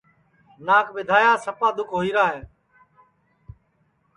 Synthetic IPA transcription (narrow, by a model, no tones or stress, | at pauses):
naːkʰɓɪd̪ʱaːjãːsəpaːd̪ʊkʰɦoːiːɾaːɦẽː